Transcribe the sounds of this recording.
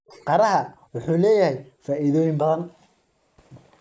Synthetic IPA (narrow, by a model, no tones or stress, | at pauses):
qɑɾɐɦɐ | wʊħuːlɛːjɐhɛjfaːʔiðɔːjɪmbɐðɐn